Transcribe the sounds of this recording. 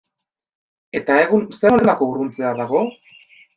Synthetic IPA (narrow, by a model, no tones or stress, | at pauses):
e̞t̪ae̞ɣunseonenako̞uɾunt͡seaðaɣ̞o̞